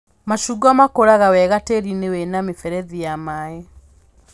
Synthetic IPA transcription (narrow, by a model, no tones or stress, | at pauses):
maʃuɡamakoɾaɣawɛɣateɾinewenamefɛɾɛðijamaːɛ